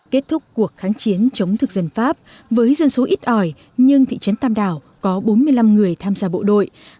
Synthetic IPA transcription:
ke˦˥t̚t̪ʰʊ˦˥k͡p̚kːu˨˩ək̚xaː˨˦ŋt͡ɕi˨˦ənt͡ɕə˨˦wŋ͡mt̪ʰɨ˨˩k̚zə˨˩nfaː˦˥p̚ | vəː˨˦jzə˧nso˨˦ʔi˦˥t̚ʔɔ˨˩j | ɲɨ˧ŋt̪ʰḭ˧˨t͡ɕə˨˦nt̪aː˧mɗaː˨˩w | kɔ˨˦ɓo˨˦nmɨ˧əjla˧mŋɨ˨˩əjt̪ʰaː˧mzaː˧ɓo̰˧˨ɗo̰˧˨j

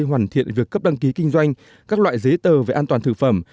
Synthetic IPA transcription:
ɦwaː˧˩nt̪ʰḭ˧˨ənvi˨˩əkːə˦˥p̚ɗa˧ŋki˨˦ki˧ŋ̟zwa˧jŋ̟ | kaː˦˥k̚lwa̰ː˧˨jzə˨˦jt̪əː˨˩ve˨˩ʔaː˧nt̪waː˨˩nt̪ʰɨ˧˩fə˧˩m

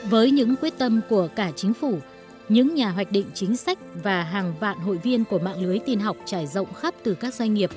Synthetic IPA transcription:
vəː˨˦jɲɨ̰˧˥ŋkwi˦˥ət̚t̪ə˧mku˧˩əkaː˧˩t͡ɕï˨˦ŋ̟fu˧˩ | ɲɨ̰˧˥ŋɲaː˨˩ɦwa˨˩jk̚ɗḭ̈˧˨ŋ̟t͡ɕï˨˦ŋ̟sa˦˥jk̟̚vaː˨˩ɦaː˨˩ŋva̰ː˧˨nɦo̰˧˨jvi˧ənku˧˩əma̰ː˧˨ŋlɨ˨˦əjt̪i˧nɦa˨˩wk͡p̚t͡ɕaː˧˩jzə̰˧˨wŋ͡mxa˦˥p̚t̪ɨ˨˩kaː˦˥k̚zwa˧jŋ̟ŋi˨˩əp̚

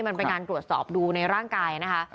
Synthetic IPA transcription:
ma˧npe˧kaː˧nt̪ɾu˨˩ət̪̚sɔ̰ː˨˩p̚duː˧na˧jɾaː˥˩ŋkaː˧jna˦˥kʰa˦˥

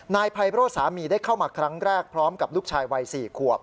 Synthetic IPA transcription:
naː˧jpʰa˧jpɾoː˥˩t̪̚saː˩˦miː˧daː˥˩jkʰa˥˩wmaː˧kʰɾa˦˥ŋɾɛː˥˩k̚pʰɾɔː˦˥mka˨˩p̚luː˥˩k̚t͡ɕʰaː˧jwa˧jsiː˨˩kʰu˨˩əp̚

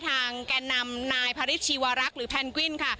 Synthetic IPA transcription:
t̪ʰaː˧ŋkaː˧nːa˧mnaː˧jpʰaː˧ɾi˦˥t̪̚t͡ɕʰiː˧waː˧ɾa˦˥k̚ɾɯː˩˦pʰɛː˧nkwi˥˩nkʰa˥˩

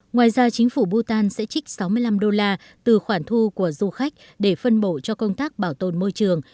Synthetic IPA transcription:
ŋwaː˨˩jzaː˧t͡ɕï˨˦ŋ̟fu˧˩ɓu˧t̪aː˧nsɛ̰˧˥t͡ɕï˦˥k̟̚sa˨˦wmɨ˧əjla˧mɗo˧laː˧ | t̪ɨ˨˩xwaː˧˩ŋt̪ʰu˧ku˧˩əzu˧xa˦˥jk̟̚ | ɗe˧˩fə˧nɓo̰˧˨t͡ɕɔ˧kə˧wŋ͡mt̪aː˦˥k̚ɓaː˧˩wt̪o˨˩nmo˧jt͡ɕɨ˨˩əŋ

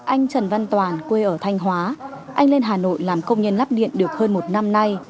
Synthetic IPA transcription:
ʔa˧jŋ̟t͡ɕə˨˩nva˧nt̪waː˨˩nkwe˧ʔəː˧˩t̪ʰa˧jŋ̟ɦwaː˨˦ʔa˧jŋ̟le˧nɦaː˨˩no̰˧˨jlaː˨˩mkə˧wŋ͡mɲə˧nla˦˥p̚ɗḭ˧˨ənɗɨ˨˩ək̚həː˧nmo˨˩t̚na˧mna˧j

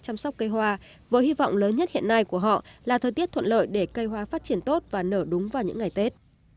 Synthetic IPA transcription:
t͡ɕa˧msa˦˥k͡p̚kə˧jɦwaː˧ | vəː˨˦jhi˧vɔ̰˧˨wŋ͡mləː˨˦nɲə˦˥t̚hḭ˧˨əna˧jku˧˩əɦɔ̰˧˨laː˨˩t̪ʰəː˨˩jt̪i˦˥ət̪ʰə̰˧˨nʔlə̰ː˧˨jɗe˧˩kə˧jɦwaː˧faː˦˥t̚t͡ɕi˧˩ənt̪o˦˥t̚vaː˨˩nəː˧˩ɗʊ˨˦ŋ͡mvaː˨˩wɲɨ̰˧˥ŋːa˨˩jt̪e˦˥t̚

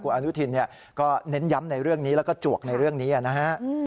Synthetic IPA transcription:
kʰuː˧˩ʔa˧nu˦˥t̪ʰi˧nːi˥˩ɐ | kɔː˥˩ne˦˥nja˦˥mna˧jɾɯ˥˩əŋniː˦˥lɛː˦˥wkɔː˥˩t͡ɕu˨˩ək̚na˧jɾɯ˥˩əŋniː˦˥ʔa˨˩na˦˥hʰa˦˥ʔ

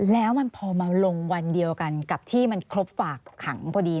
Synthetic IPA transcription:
lɛː˦˥wma˧npʰɔː˧maː˧lo˧ŋwa˧ndi˧əwka˧nka˨˩p̚t̪ʰiː˥˩ma˧nkʰɾo˦˥p̚faː˨˩kʰːa˩˦ŋpʰɔː˧diː˧

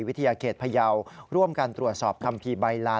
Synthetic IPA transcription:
wi˦˥t̪ʰa˧jaː˧kʰeː˨˩t̪̚pʰa˧ja˧wɾu˥˩əmkaː˧nt̪ɾu˨˩ət̪̚sɔː˨˩p̚kʰa˧mpʰiː˧ba˧jlaː˦˥

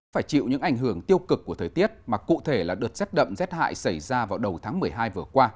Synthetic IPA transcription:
faː˧˩jt͡ɕḭ˧˨wɲɨ̰˧˥ŋʔa˧˩jŋ̟ɦɨ˧˩əŋt̪i˧əwkɨ˨˩k̚ːu˧˩ət̪ʰəː˨˩t̪i˦˥ət̚maː˨˩kṵ˧˨t̪ʰe˧˩laː˨˩ɗɨː˨˩t̚sɛ˦˥t̚ɗə̰˧˨mzɛ˦˥t̚ha̰ː˧˨jsa˧˩jzaː˧vaː˨˩wɗə˨˩wt̪ʰaː˨˦ŋmɨ˨˩əjɦaː˧jvɨ˨˩əkwaː˧

